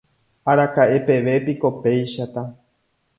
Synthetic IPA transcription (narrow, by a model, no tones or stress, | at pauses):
aɾakaʔe̞pe̞ʋe̞piko̞pe̞jʃat̪a